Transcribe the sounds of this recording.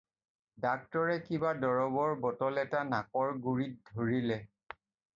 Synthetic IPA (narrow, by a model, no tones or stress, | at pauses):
dak̚tɔɹɛkibadɔɹɔbɔɹbɔtɔlɛtanakɔɹɡuɹit̚dʱoɹilɛ